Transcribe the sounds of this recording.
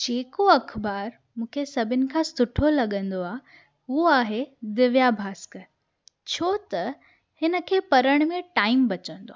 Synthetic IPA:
d͡ʑeːkoɐkʰbaːɾ | mũːkʰesɐbʱɪnɪ̆kʰãːsʊʈʰolɐɠə̃nd̪oaːɦ | uɦoaːɦed̪ɪʋjabʱaːskə | t͡ɕʰoːt̪ɐ | hɪnə̆kʰeːpɐɾəɽ̃mẽʈaːɪmbɐt͡ɕə̃nd̪o̰a

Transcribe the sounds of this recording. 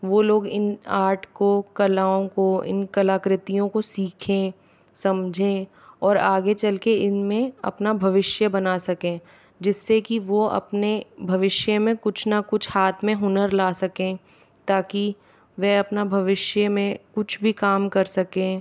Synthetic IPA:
ʋoːloːɡɪnaːɾʈʰkokɐlaːõkoɪ̰nkɐlaːkɾɪt̪ijõkosiːkʰẽː | sɐmd͡ʒʱẽː | ɔːɾaːɡet͡ʃɐlkeɪnmẽɐ̰pnabʱɐʋɪʃjəbɐnaːsɐkẽː | d͡ʒɪsːekiʋoɐ̰pnebʱɐʋɪʃjəmẽkʊt͡ʃʰnakʊt͡ʃʰhaːt̪ʰmẽɦʊnəɾlaːsɐkẽː | t̪aːki | ʋɛɐpnabʱɐʋɪʃjəmẽkʊt͡ʃʰbʱikaːmkɐɾsɐkẽː

